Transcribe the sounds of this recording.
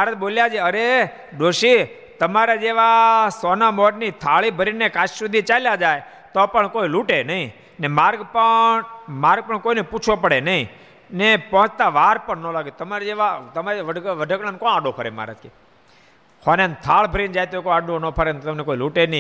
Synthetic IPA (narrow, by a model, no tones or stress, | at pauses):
maɾət̪̚boljad͡ʒeəɾe | d̪oʃi | t̪əmaɾad͡ʒeʋasɔnamɔʈnit̪ʰaɭibʱəɾinːekaʃsud̪ʱit͡ʃaljad͡ʒaj | t̪ɔpəɳkoiluʈenəĩ | nemaɾɡpə | maɾɡ̚pəɳkoineput͡ʃʰopəɽenəɦĩ | nepəɦə̃t͡ʃt̪aʋaɾpəɳnolaɡet̪əmaɾed͡ʒeʋat̪əmaɾeʋəɖʋəɖʱəkɽankɔaɖopʰəɾema̰ɾə̰t̪̚kʰe | kʰɔnent̪ʰaɭbʱəɾind͡ʒajt̪oikoaɖõnɔpʰəɾent̪t̪əmnekoiluʈenə